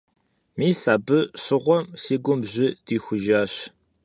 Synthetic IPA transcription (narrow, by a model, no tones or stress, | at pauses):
miːsaːbɨɕɪʁʷɔmsiːɡʷʊmʑɪd̥iːxʷʊʒaːɕ